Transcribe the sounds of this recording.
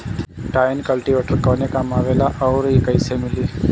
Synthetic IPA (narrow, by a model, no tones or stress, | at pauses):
ʈaːɪnkɐlʈiʋeːʈəɾkɔːnekamaːʋeːlaʔɔːɾikəɪsemɪliː